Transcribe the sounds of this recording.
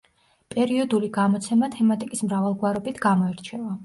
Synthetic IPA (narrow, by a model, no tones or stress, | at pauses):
pʼɛɾiɔd̪uliɡamɔt̪sʰɛmat̪ʰɛmat̪ʼikʼismɾavalˠɡwaɾɔbit̪ʰɡamɔɛɾt͡ʃʰɛva